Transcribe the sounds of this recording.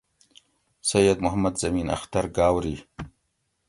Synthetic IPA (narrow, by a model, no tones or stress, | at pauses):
sɐjɐd̪mʊɦamɐd̪zɐmiːna̰xt̪aɾɡaːwɾiː